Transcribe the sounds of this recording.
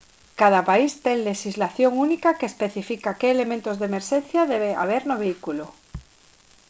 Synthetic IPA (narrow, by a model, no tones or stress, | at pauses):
kað̞apaist̪eŋleʃizlaθjoŋunikakeːspeθifikakeːlemẽnt̪ozðemeɾʃẽnθjaðeβ̞ea̰β̞eɾnoβ̞eikulo